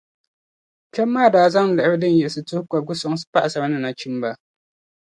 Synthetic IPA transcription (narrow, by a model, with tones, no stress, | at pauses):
kɛ˦mːaː˦˨daː˨za˦ŋ˨lɛ˨ʔɪ˦bɨ˦dɨ˦n˦jɛ˨sɨ˨tʊ˦hka˨ɡʊ˦sɔ˦ŋ˦sɨ̥˦pa˦ʔa˨sa˨ba˦nɨ˦na˨t͡ʃi˦m˦ba˦